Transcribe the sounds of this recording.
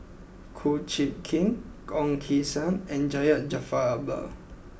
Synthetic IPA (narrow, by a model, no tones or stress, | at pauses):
kʰot͡ʃit̚kʰĩŋ | kɔ̃ŋkʰisə̃nɛ̃nd͡ʒajəʔ̚d͡ʒafaba̰